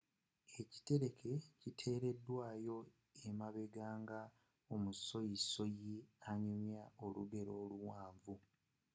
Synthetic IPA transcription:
e̞ci̥te̞ɾe̞kʰe̞citʰe̞ːɾe̞dːwaːjo̞ | emaβe̞ɡaːŋɡa | o̞muso̞jiso̞jiaɲumjao̞luɡe̞ɾo̞ːluwaːɱvu

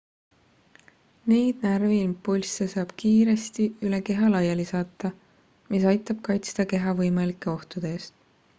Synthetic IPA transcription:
nejd̪̥̚nærvilmpulʲsːesɑːb̥kiːɾe̞st̪iyleke̞ɦɑlɑjelisɑːt̪ːˑɑ | misɑjt̪ˑːɑb̥̚kɑjt̪sd̪̥ɑke̞ɦɑvɤjmɑlikːˑe̞o̞ht̪ud̪̥eeːst̪

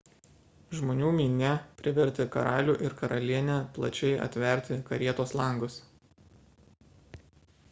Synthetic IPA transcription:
ʒmoːnʲuːmʲiːnʲɛpʲɾʲɪʋʲɛɾʲt̪ʲɪkɐɾɑːlʲuːʔɪɾkɐɾɐlʲiɛnʲɛplˠɐ̰t͡ʃʲɛɪʔɐ̰t̪ʲʋʲɛɾʲt̪ʲɪkɐɾʲiɛt̪oːslˠɐˑŋɡʊs

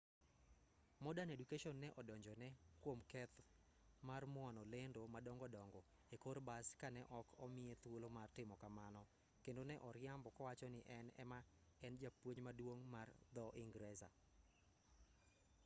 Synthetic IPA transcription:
mɔdanedukeʃɔnːɛʔɔdɔɲd͡ʒɔnɛkwomkɛt̪ | marmwɔnɔlendomadɔŋɡɔdɔŋɡɔ | ekoɾbaskanɛʔɔkʰɔmɪet̪wolomartɪmɔkamanɔ | kendonɛʔɔɾɪambɔkɔwat͡ʃɔnɪʔɛnɛ̰ma | ɛnd͡ʒapwoɲmadwoŋmard̪ɔʔɪŋɡɾɛza̰

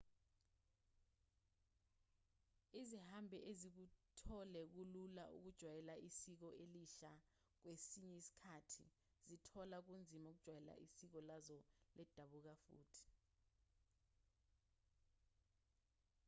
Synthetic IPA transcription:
izihambʱɛʔezik̬utʰɔlɛk̬ulula̰ʔṵk̬ud̥ʒ̥ʱwajɛlaisik̬ɔʔeliʃa | k̬wesiɲɛisi̥kʰaːtʰḭ | zitʰɔlak̬und͡zʱimaok̬ud̥ʒ̥ʱwajɛla̰ʔisik̬ɔlazɔlʔɛd̥ʱaɓuk̬afṵːtʰi̥

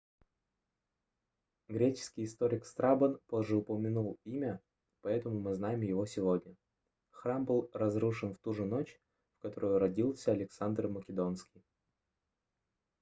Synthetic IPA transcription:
ɡɾʲet͡ɕɪ̥skʲɪjɪst̪oɾʲɪkst̪ɾʔabənpo̞ʐːɨʊpəmʲɪnulˠimʲə | pɐɛt̪əmʊmɨznajɪmjɪvo̞sʲɪvo̞dʲnʲə | xɾambɨlˠrɐzɾuʂɨnft̪uʐɨno̞t͡ɕ | fkɐt̪oɾʊjʊɾɐdʲilˠsʲəɐlʲɪksand̪rməkʲɪd̪o̞nskʲɪj

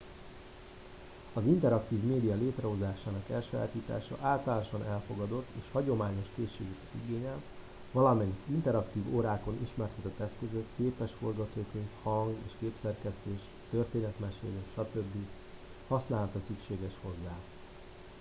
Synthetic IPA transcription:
ɒzint̪ɛɾɒkt̪iːvmeːd̪ijɒleːt̪rɛɦo̞zaːʃaːnɒkɛlʃa̰ːt̪iːt̪a̰ːʃɒ̰ʔaːlt̪ɒlaːnoʃɒnɛlfo̞ɡɒd̪o̞t̪ːeːʃhɒɟo̞maːɲo̞ʃkeːʃːeːɡɛkɛt̪iɡeːɲɛl | vɒlɒmɛɲkint̪ɛɾɒkt̪iːvoːɾaːko̞niʃmɛrt̪ɛt̪ɛt̪ːɛskøzøkkeːpɛʃforɡɒt̪oːkeːnt̪hɒŋɡeːʃkeːpsɛrkɛst̪eːʃ | t̪ørt̪eːnɛt̪mɛʃḛːleʃʃɒt̪ø̞bːi | hɒsnaːlɒt̪ɒsykʃeːɡɛʃho̞zːaː

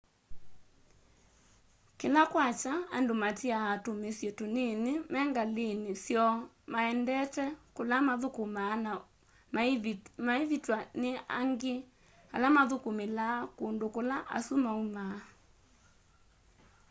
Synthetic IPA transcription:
kelakwat͡ʃaandomatiaatomesjetonenemɛŋɡalenesjɔ | maɛndɛtɛkolamaðokomaːna | maevitwanea̰ŋɡe | a̰lamaðokomelaːkondokolaʔa̰sumauma

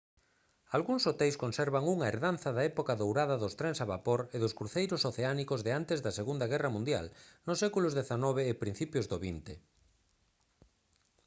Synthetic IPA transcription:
alɣuŋsot̪ejskonsɛɾβaŋuŋaeɾðanθɐðɐɛpokaðowɾaðɐðʊst̪ɾɛŋsaβapoɾeðʊskɾuθejɾʊsoθeanikozðeant̪ezðɐseɣund̪ɐɣɛrɐmũnd̪ja̰lnʊsːɛkulʊzðeθanɔβeːpɾin̟θipjozðoβint̪e

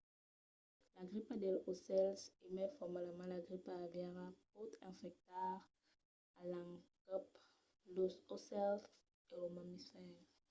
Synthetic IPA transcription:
laɡʁipad̪ɛlosɛlsemɛfɔʁmalmɑ̃laɡʁipavɛʁapot̪ɛ̃fɛk̚t̪aʁ | alãŋkɔp | lososɛls | eomamisɛ

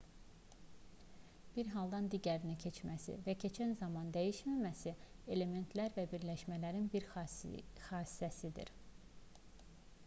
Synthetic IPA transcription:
b̥iɾɦɑlˠd̪ɑnd̪iɟæɾinicʰe̞t͡ʃmæsḭvæcʰe̞t͡ʃʰænzɑmɑnd̪æjiʃmæmæsie̞le̞me̞nt̪ʰlæɾvæbiɾlæʃmælæɾinbiɾ | xɑːsi̥sæsid̪ḭɾ

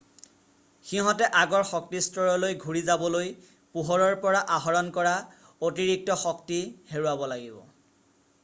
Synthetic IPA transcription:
xiɦɔ̃tɛʔaɡɔɹxɔk̚tistɔɹɔlojɡʱuɹizabɔloj | puɦɔɹɔɹpɔɹaʔaɦɔɹɔnkɔɹa | otiɹik̚tɔxɔktiheɹuwabɔlaɡibɔ̰

